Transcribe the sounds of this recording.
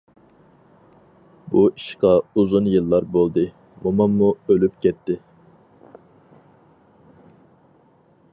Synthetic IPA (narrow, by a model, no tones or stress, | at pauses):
bui̥ʃqɑuzunjɨlˠːɑɾbolˠd̪ɨ | momɑmːuølypkʲɛt̪ʰːɪ